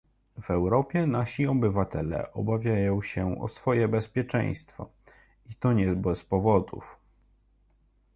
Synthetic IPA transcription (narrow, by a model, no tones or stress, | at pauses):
v̥ɛwɾɔpʲjɛnaɕiɔbɘvat̪ɛlɛ̰ʔɔbavʲjajɔ̃w̃ɕɛɔ̰sfɔjɛbɛspʲjɛt͡ʂɛ̰̃j̃st̪fɔ̰ | it̪ɔɲɛbɛspɔvɔd̪ṵf